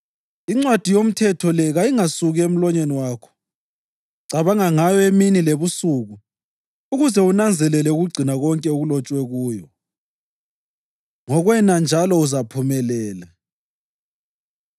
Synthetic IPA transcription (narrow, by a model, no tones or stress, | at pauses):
iŋ͡ǀwad̥ʱijom̩tʰɛtʰɔlɛɣajiŋasuɣem̩lɔɲeniwaːkʰɔ̥ | ǀaβaŋaŋajɔeminileβusuɣu | uɣuzɛunand͡zʱɛlɛlɛuɣuɡ͡ǀʱinaɣɔŋkʼɛuɣulɔt͡ʃʼwɛɣuːjɔ | ŋɔɣwɛnand͡ʒʱalɔuzapʰumɛlɛːla